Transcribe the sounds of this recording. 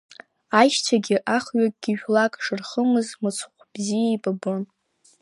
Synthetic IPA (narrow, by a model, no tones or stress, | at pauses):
ajʃt͡ʃʷʰaɡʲiʔaχɥakʼɡ̥ʲiʒᶣlakʼʂɨrχəmɨzmɨt͡sʰχʷʰb̥zijajbʼabon